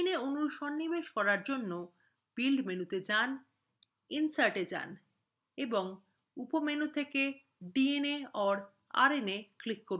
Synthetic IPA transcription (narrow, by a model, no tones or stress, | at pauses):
neonuɾʃɔnːibeʃkɔɾaɾd͡ʑonːo | b̥ilɖmenut̪ed͡ʑan | insaɾʈed͡ʑa̰n | eboŋ | upomenut̪ʰeke | ɖieneɔɾ | a̰ɾeneklikːoɾu